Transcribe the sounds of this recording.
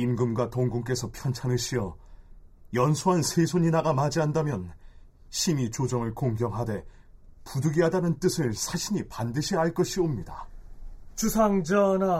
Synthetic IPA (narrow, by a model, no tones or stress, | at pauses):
imɡɯmɡwatoŋɡuŋk̬͈e̞sʰʌpʰjʌnt͡ɕʰanɯɕʰiʌ | jʌnsʰuɦansʰesʰoɲinaɡamad͡ʑiandamjʌn | ɕʰimit͡ɕod͡ʑʌŋɯɭkoŋɡjʌŋɦade̞ | pudɯɡiɦadanɯnt͈ɯsʰɯɭsʰaɕʰiɲipandɯɕʰiɦaɭk͈ʌɕʰiomɲida | t͡ɕusʰaŋd͡ʑʌna